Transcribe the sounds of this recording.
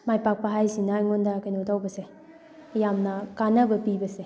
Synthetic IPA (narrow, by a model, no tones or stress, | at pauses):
majpak̚paɦajsinajŋondakajnotawbɐseː | jamnɐkanɐbɐpibɐse